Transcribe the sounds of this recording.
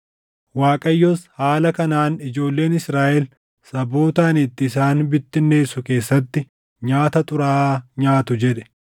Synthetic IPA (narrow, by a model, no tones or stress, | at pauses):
waːkʼɐjːɔshaːlɐkɐnaːnɪd͡ʒo̞ːlːe̞ːnɪsɾaːʔɛl | sɐbo̞ːt̪aːnɪt̪ːɪːsaːnbɪt̪ːɪnːe̞ːsʊke̞ːsːɐt̪ːɪ | ɲaːt̪ɐt̪ʼʊɾaːɲaːt̪ʊd͡ʒɛᶑɛ̥